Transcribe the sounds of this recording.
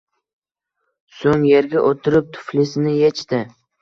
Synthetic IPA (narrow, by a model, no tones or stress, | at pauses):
soŋjeɾɡʲaʔot̪ʰɪɾɪp̚t̪ʰʊ̥flɪsɪnɪjet͡ʃt̪ɪ